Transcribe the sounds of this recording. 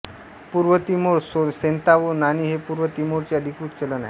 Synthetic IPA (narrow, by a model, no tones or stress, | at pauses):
puɾʋət̪imoɾsosent̪aʋonaniːɦepuɾʋət̪imoɾt͡ɕeəd̪ʱikɾut̪t͡ɕələna̰